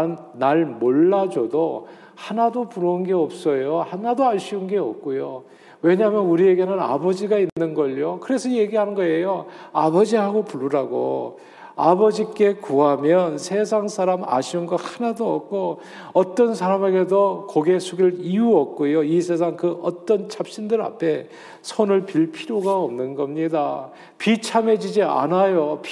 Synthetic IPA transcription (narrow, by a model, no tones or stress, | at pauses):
an | naɭmoɭːad͡ʑodo | hanadopuɾounɡe̞ʌp̚s͈ʌjohanadoaɭɕʰiunɡe̞ʌ̰p̚k͈ojo | we̞ɲaɦmjʌnuɾie̞ɡe̞nɯna̰bʌd͡ʑiɡainːɯnɡʌʎjokɯɾe̞sʰʌje̞ɡiɦanɯnɡʌe̞joabʌd͡ʑiɦaɡopuɭːuɾaɡo̰ | abʌd͡ʑik͈e̞kuɦamjʌnsʰe̞s̬ʰaŋsʰaɾama̰ɕʰiunɡʌhanadoʌk̚k͈o | ʌt͈ʌnsʰaɾame̞ɡe̞dokoɡe̞sʰuɡiɭiuʌk̚k͈ojoisʰe̞s̬ʰaŋkɯʔʌt͈ʌnt͡ɕʰap̚ɕ͈indɯɾa̰pʰe̞ | sʰonɯɭpiɭpʰiɾjoɡaʌmnɯnɡʌmɲida | pit͡ɕʰame̞d͡ʑid͡ʑia̰najop